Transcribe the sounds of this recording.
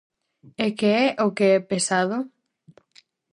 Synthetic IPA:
ekeɛʔokeɛpesaðo

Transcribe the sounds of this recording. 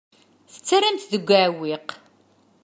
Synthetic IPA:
θə̥t͡sːarːamt̪ðəɡʷːaʕwiq

